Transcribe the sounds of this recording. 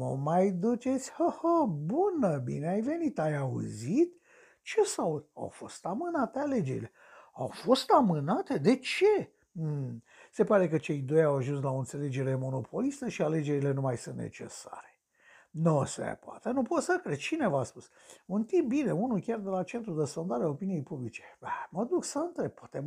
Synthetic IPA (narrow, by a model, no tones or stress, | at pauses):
mə̰majd̪ut͡ʃe̞t̪sʲhəhəbunəbḭneajve̞nit̪ajaṵzit̪ | t͡ʃe̞saw̪a̰wfo̞st̪amɨnat̪eale̞d͡ʒe̞ɾḭle̞ | a̰wfo̞st̪amɨnat̪e̞d̪e̞t͡ʃe̞ | se̞paɾe̞kət͡ʃe̞jd̪o̞jawaʒuns̬lao̞ɨnt̪se̞le̞d͡ʒe̞ɾe̞mo̞no̞pʰo̞list̪əʃiale̞d͡ʒe̞ɾile̞numajsɨnt̪nḛt͡ʃe̞̰sa̰ɾe̥ | nosḛpoa̰t̪enupo̞t̪səkɾed̪t͡ʃine̞vaspus | unt̪imp̚bine̞unukʲard̪e̞lat͡ʃe̞nt̪ɾud̪esfo̞nd̪aɾeao̞pinije̞jpublit͡ʃeaməd̪uksəɨnt̪ɾe̞b̚pːwḁt̪e